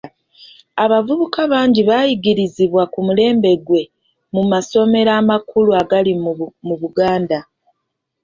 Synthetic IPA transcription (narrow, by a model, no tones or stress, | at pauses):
aβavuβukaβaːɲɟiβaːjiɡiɾiziβwakumule̞ːmbe̞ɡwe̞ | mumaso̞me̞ɾaːmakuluaɡalimuβuɡaːnda